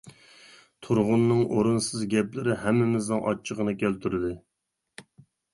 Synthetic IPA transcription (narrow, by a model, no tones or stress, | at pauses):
t̪ʰʊɾʁʊnːɨŋʔoɾunsɨzɡʲɛplɪɾɪɦɛmːɪmɪznɨŋʔɑ̰t͡ʃʰːəʁənɨkʲælt̪ʰyɾɪd̪ɪ